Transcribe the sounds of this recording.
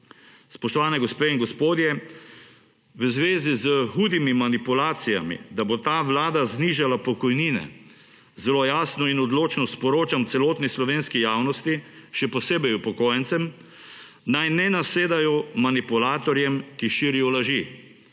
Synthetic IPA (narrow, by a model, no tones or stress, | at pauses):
spɔʃt̪ɔʋaːnɛɡɔspeinɡɔspoːd̪jɛ | ʋəzʋeːzizəxuːd̪imimanipulaːt̪sija̰mḭd̪abot̪aːʋlaːd̪azniːʒalapɔkɔjniːnɛ̰ | zɛlojaːsnɔinɔd̪loːt͡ʃnɔspɔɾoːt͡ʃamt̪sɛloːt̪nislɔʋeːnskijaːwnɔst̪iʃɛpɔseːbɛjupɔkoːjɛnt̪sɛm | najnɛnaseːd̪ajɔmanipulaːt̪ɔɾjɛmkiʃiːɾijɔlaʒi